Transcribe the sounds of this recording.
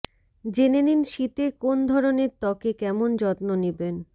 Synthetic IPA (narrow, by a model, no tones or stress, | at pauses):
d͡ʑeneninʃit̪ekond̪ʱɔɾoneɾt̪ɔkekɛmond͡ʑɔt̪noniben